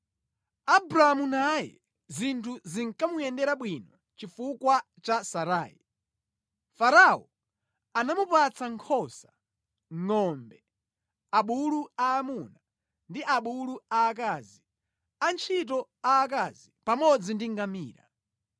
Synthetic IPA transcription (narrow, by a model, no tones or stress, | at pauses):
abɾaamunajɛ̰ | zintʰuziŋkamujɛndɛɾaɓwinɔ | t͡ʃifukwa | t͡ʃasaɾa̰ːḭ | faɾaɔ̰ | anamupat͡saŋkʰɔsḁ | ŋɔmbɛ | aɓuluaːmuna | ndiʔaɓuluaːk̬aːzi | ant͡ʃʰit̬ɔ | aːk̬azipamɔd͡zindiŋɡamiːɾa̰